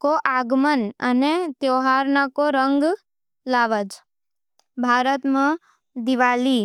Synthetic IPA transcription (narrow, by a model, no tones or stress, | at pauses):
koʔaːɡmənə̰net̪joːɦaːɾnakoɾə̃ŋɡ | laːʋəd͡ʒ | bʱaːɾət̪mẽ | d̪ɪʋaːliː